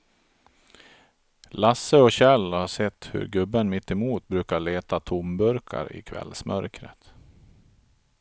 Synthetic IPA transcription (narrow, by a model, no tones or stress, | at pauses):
lasəɔɕɛlːhaʂɛt̪ːhɵ̰ɾɡɵbːənmɪt̪ːɛmuːt̪̚bɾʉ̟ːkaɭeːt̪at̪ʰʊmbɵɾkʰa̰ɾɪ̰kʰvɛ̰lsmʔœ̰ɾkɾə̰t̪